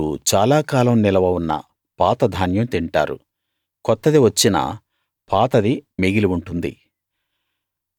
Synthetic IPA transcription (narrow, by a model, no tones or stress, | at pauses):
ut͡ʃaːlaːkaːlɐmnilɐʋɐunːɐ̰ | paːt̪ɐd̪ʱaːnjɐmt̪iɳʈa̰ːɾṵ | kɔt̪ːɐd̪iʋɐt͡ʃːinɐ̰ | pʰaːt̪ɐd̪imiɡiliuɳʈund̪ḭ